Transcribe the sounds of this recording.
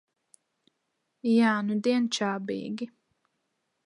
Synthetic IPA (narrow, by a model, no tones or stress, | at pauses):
jaːnud̪eːnt͡ʃaːbḛːɡi